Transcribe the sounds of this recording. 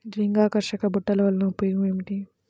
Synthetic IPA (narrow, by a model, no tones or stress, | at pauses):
d̪ɾiŋɡaːkɐɾʃɐkɐbuʈːɐlɐʋɐlɐnɐpːujumeːmiʈi